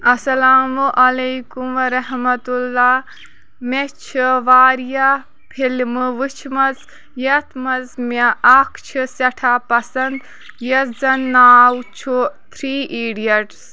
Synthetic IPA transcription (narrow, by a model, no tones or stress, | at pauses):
ɐsɐlaːmuʔɐlejkumʋɐɾɐɦmɐt̪ulːaː | met͡ʃʰiʋaːɾija | pʰilmɨʋɨt͡ʃʰmɐz | jɐt̪ʰmɐzmeʔɐkʰt͡ʃʰɨsɐʈʰaːpɐsɐnd̪ | jɐszɐnːaːwt͡ʃʰut̪ʰɾiːʔiːɖijɐʈs